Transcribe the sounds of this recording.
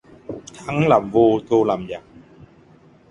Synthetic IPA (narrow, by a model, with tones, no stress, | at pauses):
t̪ʰa˨˦ŋlaː˨˩mvo˧t̪ʰo˧laː˨˩mzaː˨˩ŋ̚